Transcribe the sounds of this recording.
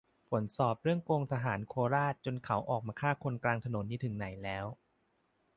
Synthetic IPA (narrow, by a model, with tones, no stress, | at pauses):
fʰo˩˦nsɔː˨˩p̚ɾɯ˥˩əŋkoː˧ŋt̪ʰa˧ɦaː˩˦nkʰoː˧ɾaː˥˩t̪̚t͡ɕo˧nkʰa˩˦wʔɔː˨˩k̚maː˧kʰaː˥˩kʰo˧nklaː˧ŋt̪ʰa˧no˩˦nːiː˦˥t̪ʰɯ˨˩˦ŋna˩˦jlɛː˦˥w